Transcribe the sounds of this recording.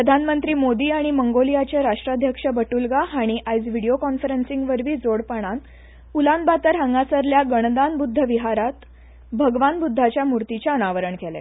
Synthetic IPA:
ppɾəd̪ʱanmənt̪ɾiːmod̪iːaɽ̃iməŋɡolijat͡ɕeɾaʂʈɾad̪ʱjəkʂəbəʈulɡaɦaɽ̃iʔajd͡zʋiɽijokɔnfəɾensiŋɡʋəɾʋiːd͡zoɽpaɽ̃an | ulanbat̪əɾɦəŋɡasəɾljaɡəɳ̃d̪anbud̪ʱːəʋiɦaɾat̪ | bʱəɡʋanbud̪ʱːat͡ɕjamuɾt̪it͡ɕaənaʋəɾəɳkʰɛlḛ

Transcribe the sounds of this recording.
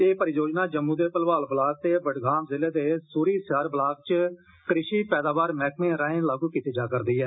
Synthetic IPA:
eːpəɾɪjoːd͡ʒnaːd͡ʒəmːũːd̪eːpəlʋaːlbəlaːk̚t̪eːbəʈɡaːmzɪleːd̪eːsuːɾiːsjaːɾblaːk̚t͡ʃ | kəɾɪʃiːpɛːd̪aːʋaːɾmɛːkmẽːɾaːẽːlaːɡuːkiːt̪eːd͡ʒaːkəɾd̪iːɛː

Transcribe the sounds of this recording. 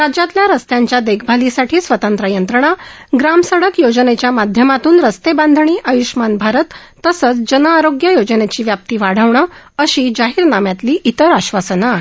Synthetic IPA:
ɾad͡ʑat̪ljaɾəst̪jãɲt͡ɕjad̪ekʰbʱalisaʈʰiːsʋət̪ə̃nt̪ɾəjənt̪ɾəɳ̃aɡɾamsəɽəkjod͡ʑənet͡ɕjamad̪ʱjəmat̪uːnɾəst̪ebãnd̪ʱɳ̃iːʔəjuɕmanbʱaɾət̪ː | əsət͡sd͡ʑənəaɾoɡjəjod͡ʑənet͡ɕiːʋjap̚t̪iːʋaɽ̤əʋɳəəɕiːd͡ʑaɦiːɾnamjat̪liːʔit̪əɾaɕʋasəna

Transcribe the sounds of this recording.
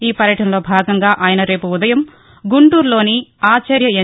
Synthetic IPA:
iːpɐɾjɐʈɐnɐlo̞ːbʱaːɡɐŋɡaːʔaːjɐnɐɾe̞ːpuud̪ɐjɐm | ɡuɳʈuːɾlo̞ːniaːt͡ʃɐɾjɐe

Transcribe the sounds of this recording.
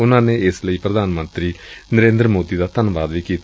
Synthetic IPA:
unːaːnːeeslɐjprɐd̪ʱaːnɐmɐnt̪ɾinɐɾeːnd̪ɾɐmoːd̪iðɐt̪ɐnɐbaːd̪ʋikːi

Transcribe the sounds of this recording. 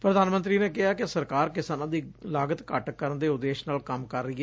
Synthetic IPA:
pɾəd̪aːnmə̃nt̪ɾiːneːkɪɦaːkɪsəɾkaːɾkɪsaːnãːd̪iːlaːɡət̪kəʈkəɾənd̪eːʊd̪eːʃnaːlkəmkəɾːəiːɛː

